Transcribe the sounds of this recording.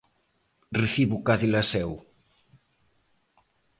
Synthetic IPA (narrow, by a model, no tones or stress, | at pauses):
reθiβukaðilasɛw